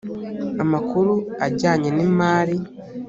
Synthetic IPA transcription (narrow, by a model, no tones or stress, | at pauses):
amakuɾuaɟaːɲenimaːɾi